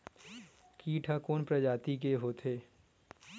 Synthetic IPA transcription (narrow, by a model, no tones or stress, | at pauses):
kiːʈʰakoːnpɾɐd͡ʒaːt̪ik̬eɦoːt̪ʰeː